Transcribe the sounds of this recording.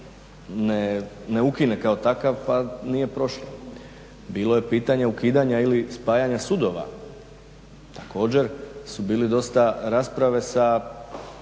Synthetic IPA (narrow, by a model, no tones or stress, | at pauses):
nene̞ukine̞kao̞t̪akaʋpanije̞pɾo̞ʃlˠo | biːlo̞je̞piːt̪aɲeukiːd̪aɲailispaːjaɲasud̪o̞ʋa̰ | t̪ako̞ːd͡ʑe̞ɾsubiːlɛd̪o̞st̪aɾaːspɾaʋe̞sa